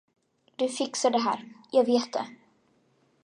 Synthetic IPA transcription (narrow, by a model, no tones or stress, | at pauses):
d̪̥ɵfɪksaɖɛɦæ̰ːɾjɑːɡveːt̪̚d̪ɛ̰